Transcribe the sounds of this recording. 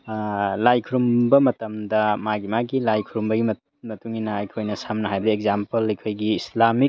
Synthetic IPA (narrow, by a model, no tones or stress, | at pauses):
lajkʰuɾumbɐmɐtɐmdɐmaɡimaɡilajkʰuɾumbɐɡimɐ | mɐtuŋinɐɐjkʰojnɐsamnɐɦajbɐdiek̚zampɐlɐjkʰojɡiːslami